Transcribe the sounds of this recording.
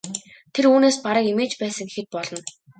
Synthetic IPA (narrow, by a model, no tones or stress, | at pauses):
t̪ʰeɾuːneːspaɾə̆kemeːt͡ɕpæːsə̆ŋɡexɘ̆t̪̚pɔɮɞ̆n